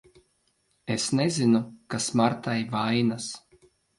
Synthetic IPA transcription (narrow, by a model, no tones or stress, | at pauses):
esnezinukasmaɾt̪ajvajnas